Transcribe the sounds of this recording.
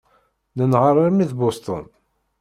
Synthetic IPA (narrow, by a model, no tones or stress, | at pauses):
nənʁəɾˤimiðbost̪o̰n